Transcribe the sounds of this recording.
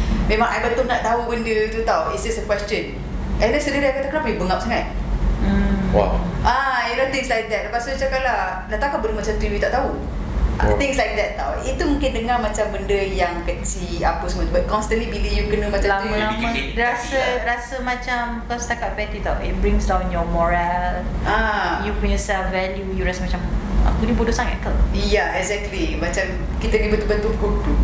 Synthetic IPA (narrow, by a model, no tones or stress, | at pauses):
mẽmãŋajbət̪ʊnaʔt̪aɦubəndət̪ut̪awisdɛsəkwɛst͡ʃə̃n | ɛ̃ndɛnsədiɾəajkat̪akənapajubəŋap̚saŋat̪̩̚ | wa̰ʔaɛlɔt̪ɪ̃ŋslajk̚d̪ɛt̪̚ləpasut͡ʃakaʔla | naʔt̪akabəɾumat͡ʃamt̪ɾibut̪aʔ̚t̪aɦu | t̪ɪ̃ŋslajk̚d̪ɛt̪̚t̪ːa̰wit̪umũŋkɪndəŋamat͡ʃambəndəjaŋkət͡ʃiapəsəmot̪bat̪̚kɔ̃nst̪ə̃nlibiləjukənə̃mat͡ʃãlaməlamãɾasəɾasəmat͡ʃamkalst̪akat̪̚pɛt̪it̪awit̚bɹĩŋsdãw̃nnjɔmɔɹalãjupĩnjɔsɛlfvɛljujuɾasəmat͡ʃama̰kunĩbodosãŋɛ̰kəljaɛkzɛk̚t̪limat͡ʃam | kit̪ənibət̪ubənt̪ukut̪u